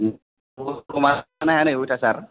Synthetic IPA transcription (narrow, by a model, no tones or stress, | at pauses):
umanahanajwutasaɾ